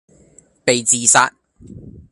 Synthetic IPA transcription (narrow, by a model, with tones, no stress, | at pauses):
pe˨jt͡siː˨saː˧t̚